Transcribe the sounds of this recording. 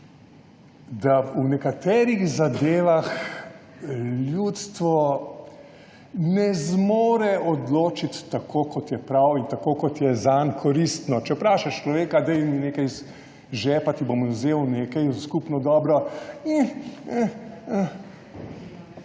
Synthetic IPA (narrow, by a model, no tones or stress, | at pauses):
d̪aunɛkat̪ɛːɾiɣzad̪eːʋax | ljjut̪st̪ʋɔ | nɛzmoːɾɛɔd̪loːt͡ʃit̪ːakʰoːkɔt̪jɛpɾawint̪akokɔt̪jɛzankʰɔɾist̪nɔt͡ʃɛpɾaːʃɛʃt͡ʃlɔʋeːkad̪ɛjmineːkajz | ʒɛpat̪ibomzewneːkajskupnɔd̪ɔːbɾɔi